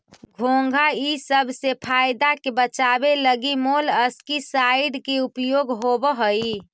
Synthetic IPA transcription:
ɡʱoŋɡʱaisəbʱsepʰajd̪akebət͡ʃabeləɡimoləskisaiɖkeupjoɡɦobəɦəi

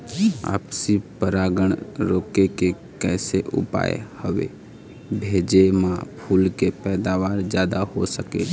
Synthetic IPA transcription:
a̰ːpsipəɾaːɡəɳ̃ɾoːkeke | kɛːseʔʊ̰pa̰ːjḛhəʋḛ | bʱeːd͡ʒemãpʰuːlkepɛːd̪aːʋaːɾd͡ʒjaːd̪ahosəkḛ

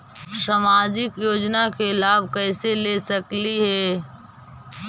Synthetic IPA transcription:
samaːd͡ʒɪkjoːd͡ʒnakelaːbʱkɛːɪselesəkliɦɛː

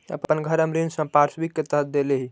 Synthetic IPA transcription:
ə̰ppənɡʱəɾəmɾinsə̃paɾsbikːet̪əɦət̪̚d̪eleɦi

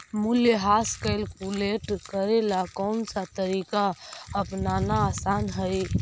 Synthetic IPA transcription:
muljeɦaskajlkuleʈkəɾelakɔnsat̪əɾikaəpnanaːsanɦəj

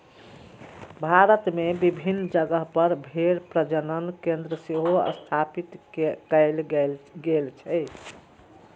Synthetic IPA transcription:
bʱaɾət̪mebibʱinːd͡ʒəɡəɦpəɾbʱeɽpɾəd͡ʒənənkẽnd̪ɾəseɦoə̰st̪ʰapit̪kɛɪlɡelt͡ʃʰɛɪ

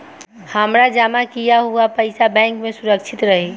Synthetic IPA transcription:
həmɾad͡ʒamakijaɦuapəɪsabɛ̃ŋkmẽsuɾəkt͡ʃʰit̪ɾəɦi

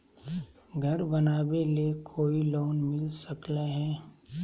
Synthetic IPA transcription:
ɡʱɐɾbɐnaːbelekʰoːiloːnmɪlsəkleɦɛː

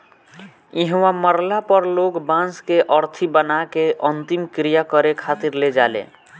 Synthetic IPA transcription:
iɦwaməɾlapəɾloɡbãnskeʔəɾt̪ʰibənakeʔənt̪imkɾijakəɾekʰat̪iɾled͡ʒalḛ

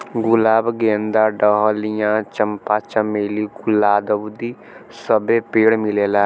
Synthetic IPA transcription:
ɡʊlaːbɡeːnd̪aːɖəɦlijãːt͡ʃəmpaːt͡ʃəmeːliːɡʊlaːd̪əʋd̪iː | səbeːpeːɽmɪleːlaː

